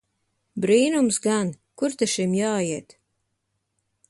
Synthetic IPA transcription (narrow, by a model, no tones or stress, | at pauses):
bɾiːnumsɡan | kuɾt̪ɛʃimjaːjiɛt̪